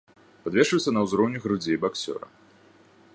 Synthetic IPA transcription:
pad̪vʲɛʂɨwsʲɐnɐwzɾɔwnʲiɣɾud͡zʲejbaksʲɔ̰ɾɐ̰

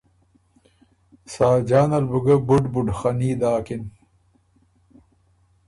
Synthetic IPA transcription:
saːd͡ʒaːnɐlbuɡɐbuɖbuɖxaniːd̪aːkin

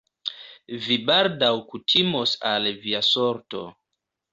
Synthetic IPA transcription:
vibaldawkutʰimosalviasoɾto̞̰

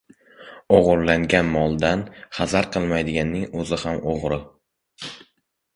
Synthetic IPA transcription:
oʁʊɾlaŋɡʲanmɒlˠd̪anχazaɾqʰɨlˠmajd̪ɪɡʲanːɪŋɵzɪhamoʁɾɪ

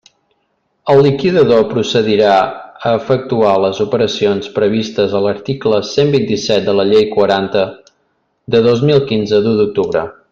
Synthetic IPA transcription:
əlˠːikiðəðopɾusəðiɾaəːfək̚t̪ualəzupəɾəsionspɾəβ̞ist̪əzələɾt̪ikləsembint̪isɛt̪̚d̪ələʎejkwəɾant̪ə | d̪əðozmilˠkinzəd̪ud̪uk̚t̪uβɾə̰

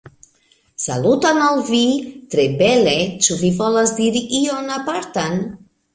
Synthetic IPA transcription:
sa̰lut̪analvit̪ɾebɛlet͡ʃuvivɔlazd̪iɾiʔionapaɾt̪an

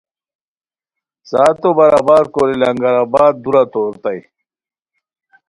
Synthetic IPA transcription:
saːt̪obɐɾabaːɾkoɾilɐŋɡɐɾabaːd̪̚d̪uɾat̪oːɾt̪aj

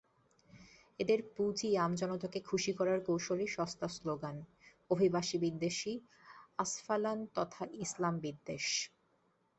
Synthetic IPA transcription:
ed̪eɾpud͡ʑiamd͡ʑɔnot̪ʰokekʰuʃikɔɾaɾkowʃoliʃɔst̪asloɡan | obʱibaʃibid̪ːeʃi | asfalant̪ɔt̪ʰaʔislambid̪ːeʃ

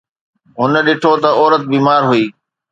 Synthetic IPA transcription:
ɦʊnəɗɪʈʰot̪ɐɔːɾət̪̚biːmaːɾɦuiː

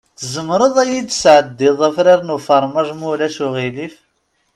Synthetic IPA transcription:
θəzəmɾˤəðˤæjid̪sʕəd̪ːɪðˤæfɾiɾnufɑɾˤmæʒmulæsuʁilif

